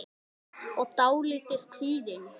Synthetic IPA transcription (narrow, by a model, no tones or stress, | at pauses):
ɔɣt̪aːwlɪːt̪ɪð̥kʰviːðɪn